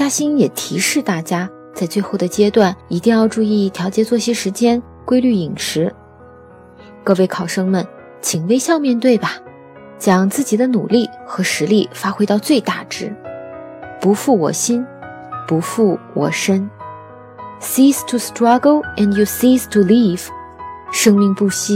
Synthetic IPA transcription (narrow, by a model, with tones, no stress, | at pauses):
t͡ɕja˥ɕi˥njɛ˨˩t̪ʰi˧˥ʂɻ̩˥˧t̪a˥˩t͡ɕja˥ | t͡sa˥˧ɪt͡swe˥˧ɪxo˥˩ʊd̪ə˩t͡ɕjɛ˥t̪wa˥˩ni˧˥t̪i˥˧ŋjɑ˥˧ʊʈ͡ʂu˥˧i˥˩t̪ʰjɑ˧˥ʊt͡ɕjɛ˧˥t͡swɔ˥˧ɕi˥ʂɻ̩˧˥t͡ɕjɛ˥n | kwe˥ɪly˥˩i˨˩ŋʂɻ̩˧˥ | kɤ˥˧we˥˩ɪkʰɑ˨˩ʊʂɤ˥ŋmə˨˩n | t͡ɕʰi˨˩ŋwe˥ɪɕjɑ˥˧ʊmjɛ˥˧nt̪we˥˩ɪbɐ˩ | t͡ɕjɑ˨˩ŋt͡sɹ̩˥˩t͡ɕi˨˩d̪ə˦nu˨˩li˥˩xɤ˧˥ʂɻ̩˧˥li˥˩fa˥xwe˥ɪt̪ɑ˥˧ʊt͡swe˥˧ɪt̪a˥˩ʈ͡ʂɻ̩˥ | pu˧˥fu˥˩wɔ̰˨˩ɕi˥n | pu˧˥fu˥˩wɔ̰˨˩ʂə˥n | si˥stʰu˨˩stɹɑ˥ɡo˥ʊɛ˨˩nju˨˩si˥stʰu˨˧li˥˩v | ʂɤ˥ŋmi˥˧ŋpu˥˧ɕi˥˩